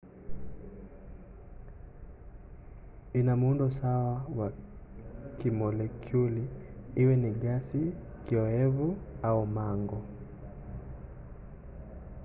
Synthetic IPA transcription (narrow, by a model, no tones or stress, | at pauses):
inamundɔsawawa | kimɔlɛkʰjuliiwɛniɡasi | kiɔɛvuaumaŋɡɔ